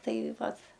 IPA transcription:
ˈtɐɪ ˈʋɐt

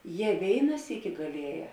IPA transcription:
ˈjɛ ˈʋʲeːɪnɐ ˈsʲiːkʲɪ ɡɐˈlʲiɛˌjɛː

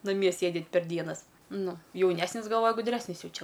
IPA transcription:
nɐˈmʲiɛ ˈsʲeːdʲɪt pʲɛr ˈdʲiɛnɐs ˈnʊ jɛʊˈnʲæːsʲnʲɪs ɡɐlˠˈʋoːjɛ ɡʊˈdʲrʲæːsʲnʲɪs ˈjɛʊ ˈt͡ʃʲɛ

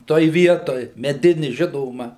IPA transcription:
ˈtoːj ˈʋʲiɛtoːj mʲɛˈdʲɪnʲɪ ˈʒʲɪnoːmɐ

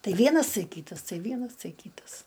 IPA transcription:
ˈtɐɪ ˈʋʲiɛnɐs ˈtɐɪ ˈkʲiːtɐs ˈtɐɪ ˈʋʲiɛnɐs ˈtɐɪ ˈkʲiːtɐs

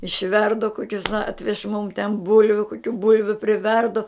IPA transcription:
ɪʃʲˈʋʲɛrdʊ ˈkoːkʲʊs ˈɑːtʲʋʲɛʃ mʊm tʲɛn ˈbʊlʲʋʲʊ koːˈkʲuː ˈbʊlʲʋʲʊ pʲrʲɪˈʋʲɛrdʊ

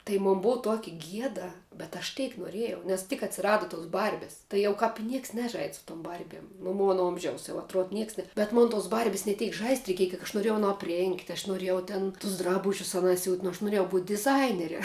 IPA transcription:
tɐɪ ˈmoːn ˈbʊʊ ˈtuɔkʲɪ ˈɡʲiɛdɐ bʲɛt ɐʃ ˈtʲɛɪk noːˈrʲeːjɛʊ nʲɛs tʲɪk ɐtʲsʲɪˈrɑːdʊ toːs ˈbɐrʲbʲɪs tɐɪ ˈjɛʊ kɑːp ɪ ˈnʲiɛks ˈnʲæːʒɐɪtʲ sʊ tʊm ˈbɐrʲbʲiɛm nʊ ˈmoːnɐ ˈoːmʲʒʲɛʊs jɛʊ ɐtˈruɔt ˈnʲiɛks nʲɛ bʲɛt ˈmoːn toːs ˈbɐrʲbʲɪs nʲɛ ˈtʲɛɪk ʒɐɪsʲtʲ rʲɛɪˈkʲiɛjɛ kʲiɛk ɐʃ noːˈrʲeːjɛʊ ɐˈnoː ɐpʲˈrʲeːŋkt ɐʃ noːˈrʲeːjɛʊ ˈtʲeːn tʊs ˈdrɑːbʊʒʲʊs ɐˈnɑː sʲuːtʲ nʊ ɐʃ nʊˈrʲeːjɛʊ buːtʲ dʲɪˈzɐɪnʲɛrʲɛ

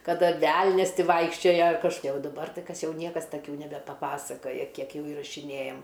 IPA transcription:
kɐˈdɐ ˈʋʲɛlʲnʲɛs ˈtʲɪ ˈʋɐɪkʃʲt͡ʃʲoːjoː kɐʃkoːˈkʲiɛ oː dɐˈbɐr ˈtɐɪ ˈkɐs ˈjɛʊ ˈnʲiɛkɐs tɐˈkʲuː nʲɛbʲɛpɐˈpɑːsɐkoːjɛ ˈkʲiɛk ˈjɛʊ iːrɐʃʲɪˈnʲeːjɛm

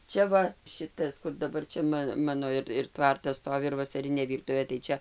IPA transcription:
ˈt͡ʃʲɛ ʋɐ ˈʃʲɪtɐs kʊr dɐˈbɐr t͡ʃʲɛ ˈmɐ ˈmɑːnoː ɪr ɪr ˈtʋɐrtɐs ˈstoːʋʲɪ ɪr ʋɐsɐˈrʲɪnʲeː ˈʋʲiːrtʊʋʲeː tɐɪ ˈt͡ʃʲɛ

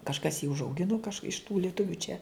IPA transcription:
kɐʃˈkɐs jiː ʊʒɐʊˈɡʲɪnʊ kɐʃ ɪʃ tuː lʲiɛˈtʊʋʲuː t͡ʃʲɛ

